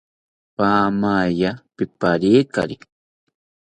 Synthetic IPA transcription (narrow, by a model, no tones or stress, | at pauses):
paːmaːjapɪpaɾiːka̰ɾi